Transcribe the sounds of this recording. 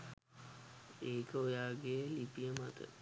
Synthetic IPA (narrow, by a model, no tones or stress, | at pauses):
eːkəojaːɡelipijəmat̪ə̰